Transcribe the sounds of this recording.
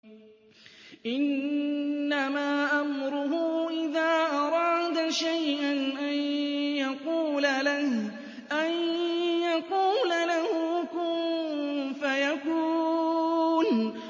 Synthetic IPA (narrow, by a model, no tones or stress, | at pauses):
ʔɪnː | amaːʔamɾʊɦʊʔɪðaːʔɑɾˤɑːd̪aʃajʔanʔanjaquːlalah | ʔanjaquːlalahʊkʊ | fajakuː | n